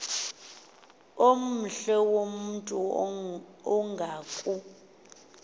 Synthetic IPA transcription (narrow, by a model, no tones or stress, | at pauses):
om̩ɬɛwomuntʼu | ɔŋɡʱaːkʼu